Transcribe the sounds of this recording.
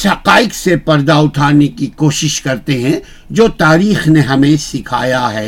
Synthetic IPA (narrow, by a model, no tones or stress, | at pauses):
sɦɐqaːɪqsepɐɾd̪aʊʈʰaːɾnekikoːʃɪʃkɐɾt̪eɦɛ̃ | d͡ʒoːt̪aːɾiːxneɦɐmẽsɪkʰa̰ːjaɦɛː